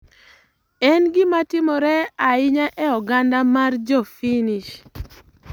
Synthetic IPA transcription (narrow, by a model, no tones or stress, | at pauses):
ɛnɡɪmatɪmɔɾɛaɪɲaʔɛɔɡandamard͡ʒɔfiniʃ